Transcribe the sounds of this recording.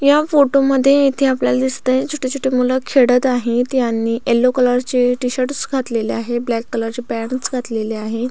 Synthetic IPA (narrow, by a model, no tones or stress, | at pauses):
jafoʈoməd̪ʱːjeit̪ʰeapljalad̪ist̪əjt͡sʰuʈʰet͡ɕʰuʈʰemuləkʰeɽət̪aɦet̪janːiːʔelːokələɾt͡ɕeʈiɕəɾʈsɡʱat̪leleaɦeblækːələɾt͡ɕepɛɳsɡʱat̪leleaɦe